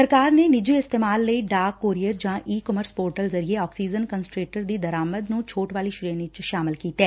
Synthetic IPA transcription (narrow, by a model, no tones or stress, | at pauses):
səɾkaːɾnenɪd͡ʒiɪst̪eːmaːlːeiɖaːkːoːɾijəɾd͡ʒãːʔiːkɔməɾspoːɾʈəlzɐɾieɔːksiːd͡ʒənkənsʈɾeːʈəɾd̪iːd̪ɐɾaːməd̪nũt͡ʃʰoːʈʋaːliʃʊɾenɪt͡ʃʃaːmɪlkiːt̪ɛː